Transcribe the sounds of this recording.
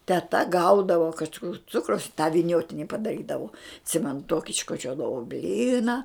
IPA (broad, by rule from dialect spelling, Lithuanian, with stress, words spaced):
tʲɛˈtɐ ˈɡɐʊdɐʋoː kɐʃˈkʊr ˈt͡sʊkrɐʊs ɪ tɑː ʋʲɪˈnʲoːtʲɪnʲɪ pɐdɐˈrʲiːdɐʋoː ɐtʲˈsʲɪmʲɛnʊ ˈtoːkʲɪ ɪʃkoːˈt͡ʃʲoːdɐʋoː ˈbʲlʲiːnɐ